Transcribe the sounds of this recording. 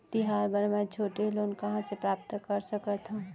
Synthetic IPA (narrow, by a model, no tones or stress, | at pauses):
t̪iɦaːɾbəɾmɛt͡ʃʰoːʈeɦloːnkəɦãsepɾaːp̚t̪kəɾsəkət̪ɦũ